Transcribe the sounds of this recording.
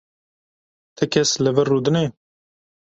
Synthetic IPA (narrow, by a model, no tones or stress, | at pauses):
t̪ʰɨkʲʰɛslɨvɨrːuːd̪ɨne